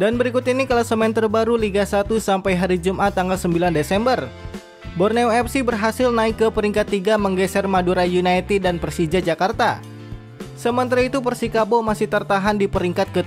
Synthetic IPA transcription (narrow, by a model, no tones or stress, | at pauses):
danbəɾikut̪inikalasəmɛnt̪ərbaɾuliɡasat̪usampajɦaɾid͡ʒumʔat̪ːaŋɡalsəmbilandesɛmbər | bɔrnɛwɛpsibərɦasɪlnaɪkːəpəɾiŋkat̪ːiɡaməŋɡɛsɛrmaduɾajunajt̪idanpɾsid͡ʒad͡ʒakart̪a | səmənt̪ɾait̪upərsikabomasɪht̪ərt̪aɦandipəɾiŋkat̪̚kə